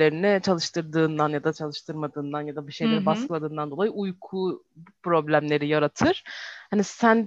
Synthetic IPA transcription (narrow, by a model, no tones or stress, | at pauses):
e̞ɾinɪt͡ʃʰalˠɯʃt̪ʰɯɾd̪ɯːnd̪anjad̪at͡ʃʰalˠɯʃt̪ʰɯɾmad̪ɯːnd̪anjad̪abiʃejlʲe̞ɾibasklˠad̪ɯːnd̪and̪olˠajɯujkʰu | pɾo̞blʲæmlʲe̞ɾijaɾat̪ʰɯɾ̥hanisæn